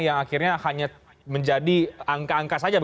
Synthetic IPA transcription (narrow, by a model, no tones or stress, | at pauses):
jaŋakirɲahaɲa | məɲd͡ʒadiaŋkaːŋkasad͡ʒab